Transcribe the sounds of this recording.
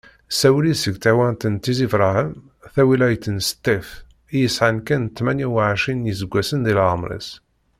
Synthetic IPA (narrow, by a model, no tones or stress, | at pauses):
sæwlisəɡt̪æwænt̪ənt̪ːizivɾˤahəm | θæwilæjət̪ːənsə̥t̪ːæf | ijəsʕankænt̪ːmænjiwʕʃinjəzəɡʷːæsənðilʕəmɾˤḭs